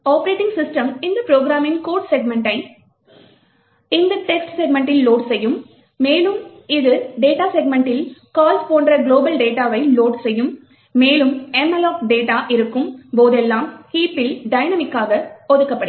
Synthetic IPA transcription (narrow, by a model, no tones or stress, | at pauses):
aːpɐɾeːʈːɪŋɡsɪsʈɐmɪnd̪ɐpɪɾoːɡɾaːmɪnkoːɾʈsɛɡmɛɳʈɐɪ | ɪnd̪ɐʈɛksʈsɛɡmɛɳʈɪlːoːʈsɛjːɯmː | eːlɯmɪðɯɖeːʈaːsɛɡ̚mɛɳʈɪlkaːlspoːɳɖrɐɡloːbɐlɖeːʈaːʋɐɪloːʈsɛjːɯmː | eːlɯmɛmɛlaːkɖeːʈaːʔɪɾɯkːɯmpoːðɛlːaːmhiːpːɪlɖɐɪnɐmɪkːaːɣɐɔðɯkːɐpːɐɽɯ